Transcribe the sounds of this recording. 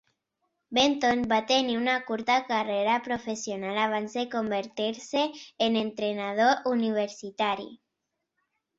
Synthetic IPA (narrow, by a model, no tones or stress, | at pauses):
bent̪onbat̪eniunakuɾt̪akareɾapɾofesjonalaβ̞anzðekombeɾt̪iɾseːnẽnt̪ɾenað̞oʔuniβ̞eɾsit̪aɾḭ